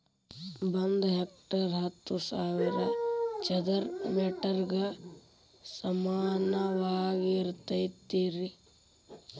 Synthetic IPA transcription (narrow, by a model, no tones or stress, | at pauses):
bɐnd̪ɦek̚ʈɐɾɦɐt̪ːusaːʋiɾɐt͡ʃɐd̪ɐɾmeʈɐɾɡɐ | sɐmaːnɐʋaːɡiɾt̪ɐjt̪ːiːɾi